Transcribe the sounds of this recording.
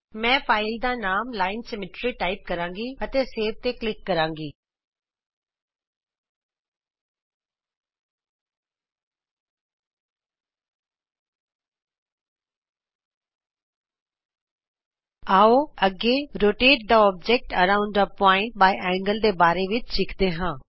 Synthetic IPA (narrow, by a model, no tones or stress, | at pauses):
mɛ̃ːfaːɪld̪ãːnaːmlaːɪnsemɪʈɾiʈaːɪp̚kɐɾãːŋɡiɐt̪eseːʋ̚t̪eklɪkːɐɾãːŋɡiː | aːoɐɡeɾoːʈeːʈ̚d̪aɔːb̚d͡ʒek̚ʈəɾãːʊ̃ɳɖəpɔːɪ̃ɳʈ̚baːiʔɛ̃ːŋɡəld̪eːbaːɾeʋɪt͡ʃʃɪkʰd̪eːɦãː